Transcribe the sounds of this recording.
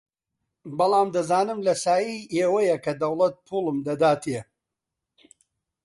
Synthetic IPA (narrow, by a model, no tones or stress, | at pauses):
bɐlˠaːmd̪ɐzaːnɨmlɐsaːjijʔeːwɐjɐkʰɐd̪ɐwlˠɐt̪̚pʰuːlˠɨmd̪ɐd̪aːt̪ʰe